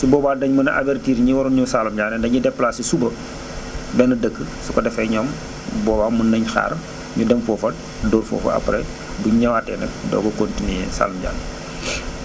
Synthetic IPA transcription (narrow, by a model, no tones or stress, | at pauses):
sibɔːbaːdɐɲmɐnɐʔa̰bɛrtiːɾɲiwɔɾuɲusalumɟaːnɛndɐɲudɛpːlaːsisubɐ | bɛnɐdəkːəsukɔdɛfɐɲɔːm | bɔːbaːmunːɐɲxa̰ːɾɐm | ɲudɛmfɔːfɐ | doːɾfɔ̰ːfɐ̰ɐ̰pɾɛ̰ | buɲɐwaːtːɛ̰ːnɛ̰k̚dɔ̰ɡɔkontinyjɛsa̰lumɟa̰ːnɛ